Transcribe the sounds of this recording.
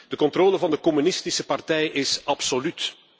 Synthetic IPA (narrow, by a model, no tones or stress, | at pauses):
d̥əkɔntroːləvɑndəkɔmynɪstisəpɑrtɛjʔɪsɑpsolyt